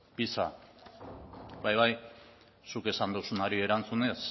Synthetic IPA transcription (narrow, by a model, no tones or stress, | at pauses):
pisa̰ | bajβaj | suke̞sand̪usunaɾie̞ɾant͡sune̞s